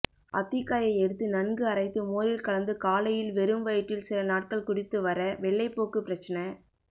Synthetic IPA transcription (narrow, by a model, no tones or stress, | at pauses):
ʔɐ̰t̪ːɪkːaːjɐɪɛɽɯt̪ːɯnɐnɡɯɐɾɐɪt̪ːɯmoːɾɪlkɐɭɐnd̪ɯkaːlɐjɪlʋɛɾɯmʋɐjɪʈːɪlsɪlɐnaːʈ̚kɐɭkʊɽɪt̪ːɯʋɐɾɐʋɛɭːɐɪpːoːkɯpːɪɾɐt͡ʃːɐnɐ